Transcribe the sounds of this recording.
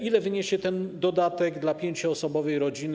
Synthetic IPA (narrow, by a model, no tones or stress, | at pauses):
ilɛvɘɲeɕɛt̪ɛnd̪ɔd̪at̪ɛɡd̪lapʲjeɲt͡ɕuɔsɔbɔvɛjɾɔd͡ʑin